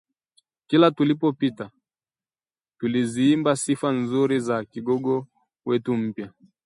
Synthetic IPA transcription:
kilatulipɔpita | tuliziːmbasifanzuɾizakiɡɔɡɔ | wɛtum̩pja

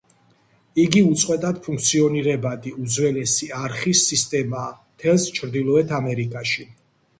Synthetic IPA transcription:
iɡiut̪sʼqʼwɛt̪ʼad̪pʰũŋk̚ʰt̪sʰiɔniɾɛbad̪iud̪zwɛlɛsiaɾχisːist̪ʼɛmaː | t̪ʰɛlˠst͡ʃʰɾd̪ilˠɔɛt̪ʰamɛɾikʼaʃi

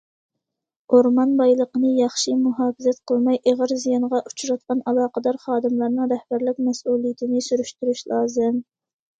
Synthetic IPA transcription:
oɾmɑnbɑjlˠəqənɨjɑχʃimuɦɑːfɪzɛt̪qʰəlˠmɑjʔeʁəɾzijɑnʁɑʔut͡ʃʰuɾɑt̪̚qɑnɑlˠɑːqəd̪ɑɾχɑːd̪ɨmlˠɑɾnɨŋɾɛhb̥æɾlɪk̚ʲmɛsuːlˠijɪt̪ʰɪnɪsyɾyʃt̪yɾyʃlˠɑːzɨm

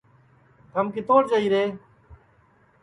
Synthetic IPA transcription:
t̪əmkiːt̪oːʈd͡ʒaːiːɾeː

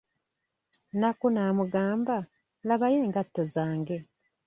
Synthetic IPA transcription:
nakunaːmuɡaːmba | laβaje̞ːŋɡatːozaːŋɡe̞

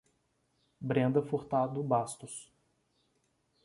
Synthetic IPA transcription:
bɾẽnd̪ɐfoɾt̪ad̪ʊbast̪ʊs

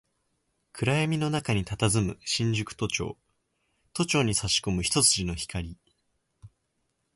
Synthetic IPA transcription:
kʰɯ̟ɾaemʲino̞nakaɲ̟it̪at̪azɨmɯ̟ɕĩɲ̟d͡ʑɨkɯ̟̥t̪o̞t͡ɕo̞̰ː | t̪o̞t͡ɕo̞ːɲ̟isaɕi̥ko̞mɯ̟çi̥t̪o̞t͡sɨʑino̞çi̥kaɾʲi

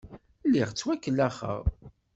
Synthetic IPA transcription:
lːiʁt͡sːwækːəlːæχə̰ʁ

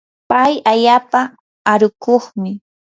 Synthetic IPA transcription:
pajaʎaːpa | aɾʊkoχmɪ

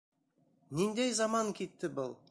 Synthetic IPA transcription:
nind̪ejzɑmɑŋkʲʰit̪ːɪbəlˠ

